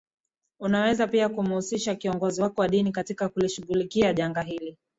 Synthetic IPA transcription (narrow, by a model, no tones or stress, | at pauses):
unawɛzapiakum̩husiʃakiɔŋɡɔziwakɔwaɗinikatikakuliʃuɣulikiaʄaŋɡaɦili